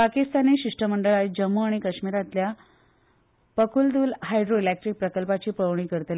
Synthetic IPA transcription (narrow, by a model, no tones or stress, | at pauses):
pakist̪aniɕiʂʈəməɳɖəɭad͡ʑəmːuaɽ̃ikəɕmiɾat̪lja | pəkʰuld̪uːlɦajɖɾoilek̚ʈɾik̚pɾəkəlpat͡ɕiːpəʋɳiːkəɾt̪l